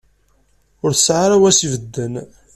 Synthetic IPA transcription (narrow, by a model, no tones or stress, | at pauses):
ʊɾθəsʕaɾawæsivəd̪ːən